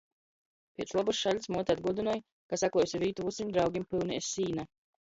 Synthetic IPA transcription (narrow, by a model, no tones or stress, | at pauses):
pʲiɛt̪slˠabusʃalʲsmuɔt̪ʲad̪ɡuɔd̪inuɔj | kasaklɔjusʲviːt̪uvut̪sʲimʲd̪ɾawɡʲimpilˠniɛsiːna